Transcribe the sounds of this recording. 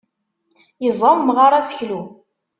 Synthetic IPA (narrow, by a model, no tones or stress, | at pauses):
jəzˤɑmmʁaɾˤasə̥çlu